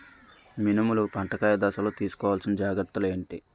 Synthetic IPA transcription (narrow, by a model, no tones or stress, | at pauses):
minimulupɐɳʈɐkaːjɐd̪aːsɐloːt̪iːsu̥kɔːʋaːlsinɐd͡ʒaːɡɐɾt̪ːule̞ːɳʈi